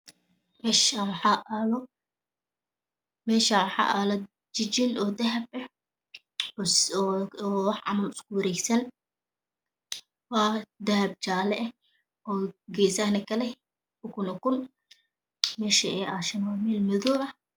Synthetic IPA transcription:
mɛːʃawħɑʔaːlɔ | mɛːʃawħɑ̰ʔaːlɐ | t͡ʃɪt͡ʃɪnɔːd̪ɐɦɐbɐ | wɑħʕɑ̰mɐlʊskʰʊwɐɾɛjsɐn | wɑːd̪ɐhɐb̚t͡ʃaːlɛʔ | ɔːɡɛːsahnɐkʰɐlɛ | ʊkʰʊnɔkʊn | mɛːʃɐɛːʔaʃɐmamɛlmɪðɔːʔɐ

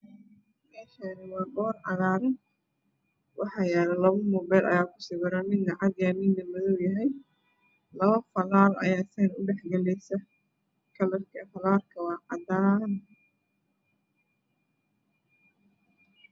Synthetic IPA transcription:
mɛːʃaːnɪwɑːɡɔːrʕɑ̰ðaːɾɐn | wʔɑħɑjɛːlɐlɐβɐmɔːbɛjlʔɐ̰jaːkʰʊ̥sɪβɐɾɐmɪd̪nɐʕɑd̪jaːmɪnd̪ɐmʊðɔwjɐɦɛj | lɐβɐfɐlaːlɐ̰jaːsɛnʊɖɛħɡɐlɛjsɐ | kʰɐlɐrkʰɐfɐlaːrkʰɐwɑːʕɑ̰d̪aːn

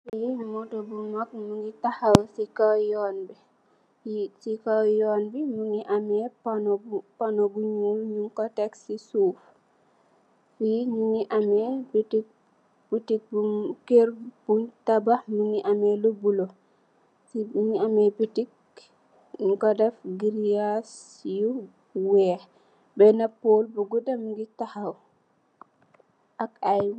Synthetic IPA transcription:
fjinmɔtɔbumak̚muŋɡitahawsikawjɔnbi | jsikawjɔnbimuniʔamɛpanpanobuɲulɲuŋkɔtɛksisuːf | fiɲuniʔamɛbitik̚ | b̥utik̚bukeɾb̥untabaminiʔamɛlobulɔ | sibiniamɛbitik | ɲuŋkɔdɛfɡiɾias | ju | wɛ | bɛnapolbuɡudamɡitahaw | ʔakaj

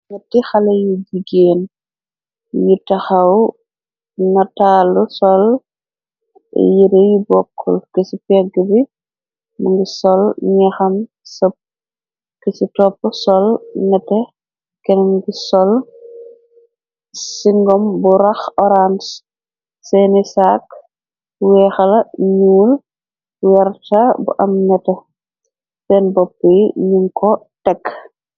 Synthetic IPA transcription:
ŋɐtːixɐlɐjud͡ʒiɡeːn | jutɐxaw | nɐtalusɔl | ɛ̰jiɾejubɔkʰːɔ̰lkesipɛɡəbi | muŋɡisɔlɲɛxɐn | səp̚ | kisitɔpːɔsɔlnɐtɛ | kɛnmŋɡisɔl | siŋɡɔmbuɾɐxɔɾans | sɛnisaːk | wɛːxɐlɐɲuːl | wɛrtabṵʔɐmnɐtɐ | sɛnbɔpːəjɲuŋkɔtɛkː

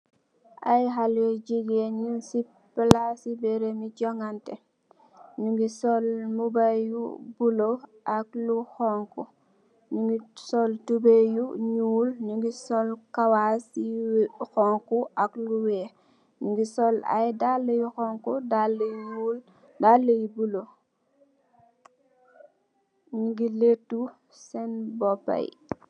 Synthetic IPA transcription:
ʔajɦalɛɟiɡeɲinsi | pilasibɛɾemiɟɔŋɡantɛ | ɲuŋɡisɔlmubajṵbuloʔak̚luxɔŋku | ɲuŋɡisɔltubejuɲuːlɲuŋɡisɔlkawasixɔŋkuakluwɛ | ɲuŋɡisɔla̰jdalɐjuxɔŋkudalul | dalːejibulo | ɲuŋɡiletːu | sɛnbɔpːa̰j

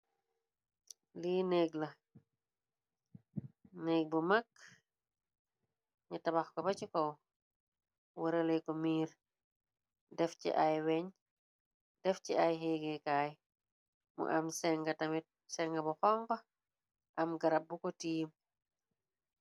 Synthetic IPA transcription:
liːnɛɡlɐ | nɛɡ̚bumak | ɲutɐbaxkɔbɐcikɔw | wɐɾəlejkɔmiːɾ | dɛfcḭʔajwɛɲ | dɛfciajɦeːɡekaːj | mṵʔɐmsɛŋɡɐtɐmit̚ | sɛŋɡɐbɔxɔŋkɐ | ʔɐmɡɐɾɐp̚bukɔtiːm

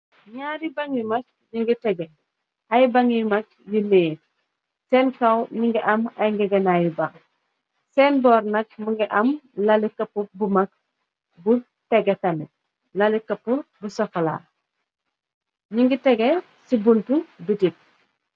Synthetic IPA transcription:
ɲaːɾibɐŋimɐk̚ | ɲiŋɡitɛɡɛ | hɐjbaŋimɐk̚ | jileː | sɛnkɐwɲiŋɡiʔɐmɐjŋɡɛɡɛnajibaŋ | sɛːnbɔːrnɐk̚muŋɡiʔɐmlalikɐpːubumɐk̚ | bu | tɛɡetɐni | lɐlikɐpːubusɔkɐla̰ː | ɲiŋɡitɛɡe | sibuntubitit̚

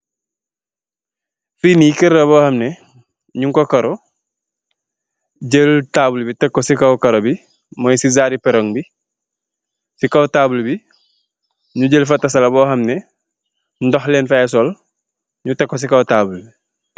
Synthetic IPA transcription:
finikəɾlɐbɔːhɐmnɛ | ɲuŋkɔkɐɾɔ | ɟəltaːbulbitɛkːosikɐwkɐɾobi | mɔjsizaːɾipɛɾoŋbi | sikɐwtaːbulbi | ɲuɟəlfɐtːɐs̬ɐlɐbɔːhɐmnɛ | ndɔhlɛːnfaɛsɔl | ɲutɛkːɔs̬ikɐwtaːbulbi

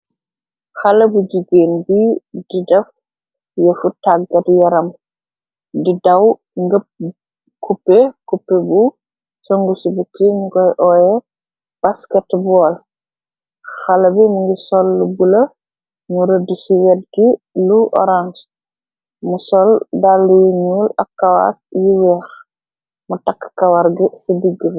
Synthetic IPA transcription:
xɐlɐbud͡ʒuɡeːnbididɛf | jəfutaɡɐdjɐɾɐm | didɐw | ŋɡəp̚ | kʰupːekupːɛbu | sɔŋɡusibukːiɲuɡɔjʔɔjɛ | b̥askɛtbɔːl | xɐlɐbimuŋɡisɔlːubulɐ | muɾədusiwɛd̚ɡiluʔɔ̰ɾans | musɔldalːujiɲuːlɐkːawa̰sjiwɛːx | mutakːkɐwaɾɡisidiɡːə

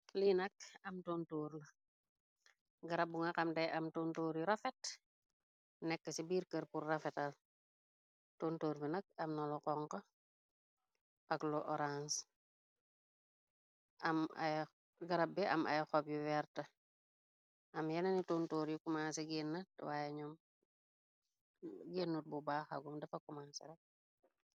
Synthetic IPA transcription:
linɐk̚ɐmtoːntoːɾnɐ | ɡɐɾɐbːuŋɐkɐmdɐjʔɐmtontoːɾjuɾɐfɛt | nɛkːɐsibiːɾkəɾpurːɐfɛtal | toːntoːɾbinɐk̚ɐmnɐlɔkɔŋko | ʔɐkloʔɔɾans | ɐma̰j | ɡɐɾɐbːiʔɐma̰jxɔpjuwɛɾtɐ | ʔɐmjɐnɐnitoːntoːɾjukumaːnseɡeːnːɐtwaːjeɲɔm | ɡeːnːut̚bubaːxa̰ɡumdɐfɐkumansɛ̰ɾɐk̚

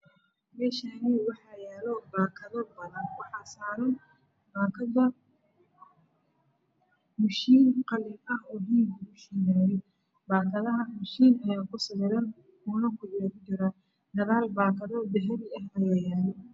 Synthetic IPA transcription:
mɛːʃaːniwɑħɑjɛːlɔbaːkʰɐðɐbɐðɐnwɑħɑːsaːɾɐn | baːkʰɐðɐ | mʊʃiːnqɑlɪɐɦɔːdiːɡʊmʊʃiːnaːjɛ | baːkʰɐðɐɦɐmʊʃiːnɐjaːkʰʊsɐβɛɾɐn | uːnɐkʰʊjɛːɾt͡ʃɪɾɐ | d̪ɐðaːlbaːkʰɐðɔb̪ɛɦɛðɪɐɦɐjaːjaːlɛ

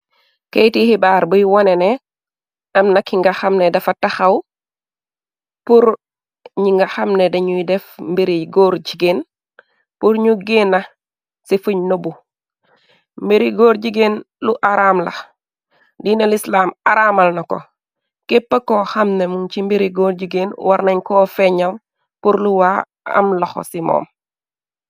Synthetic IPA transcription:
kejtihibaɾbujwonenɛ | ʔɐmnakiŋɡaxamnedɛfatːaxaw | puɾ | ɲiŋɡɐxamnedeɲujdɛfmbeɾiɡoːɾɟiɡen | puɾɲuɡenɐ | sifuɲnobu | mbeɾiɡoːɾɟiɡen | luʔaɾaːmlɐ̰x | dinelislaːmaɾaːmɐlnɐko̰ | kepːɐkɔxɐmnemuŋt͡ʃimbiɾiɡoːɾɟiɡeːnwaɾnɐɲkɔːfɛɲɐl | puɾluwa | ɐ̰mlɐxo̰simɔ̰ːm

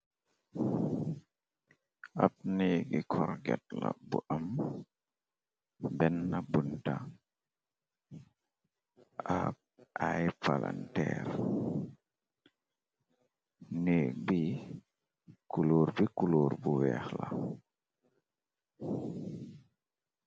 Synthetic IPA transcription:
ʔap̚neɡikʰɔɾɡɛt̚la̰buʔam | bɛnːabunta | a | ʔajpala̰ntɛɾ | nebi | kuloːɾbikuloːɾbuwɛːxla

